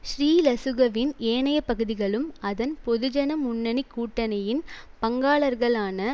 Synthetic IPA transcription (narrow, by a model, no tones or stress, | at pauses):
ʃɾiːlɐsɯɣɐʋɪneːɳɐjɐpːɐɣɯðɪɣɐɭɯmɐðɐnpɔðɯd͡ʒɐnɐmʊɳːɐnɪkːuːʈːɐnɐjɪnpɐŋɡaːɭɐɾɣɐɭaːnɐ